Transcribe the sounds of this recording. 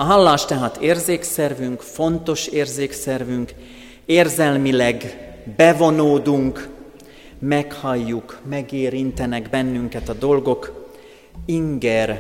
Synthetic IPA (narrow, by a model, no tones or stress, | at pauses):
ɒɦɒlːaːʃt̪ɛɦaːt̪eːrzeːksɛrvyŋkfo̞nt̪o̞ʃeːrzeːksɛrvyŋk | eːrzɛlmilɛɡbɛvo̞noːd̪uŋk | mɛkhɒjːukmɛɡeːɾint̪ɛnɛɡbɛnːyŋkɛt̪ɒd̪o̞lɡo̞k | iŋɡɛr